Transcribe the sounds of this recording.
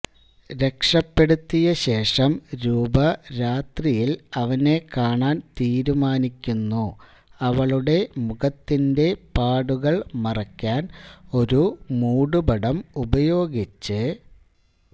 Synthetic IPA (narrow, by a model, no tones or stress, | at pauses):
ɾe̞kʂɐpːe̞ɽut̪ːijɐɕe̞ːʂɐmɾuːbɐɾaːt̪rijilɐʋɐne̞kaːɳaːnt̪iːɾumaːnikʲːunːu | ɐʋɐɭuɽe̞muɣɐt̪ːinde̞paːɽuɣɐɭmɐrɐkʲːaːno̞ɾumuːɽubɐɽɐmubɐjo̞ːɡit͡ɕːɨ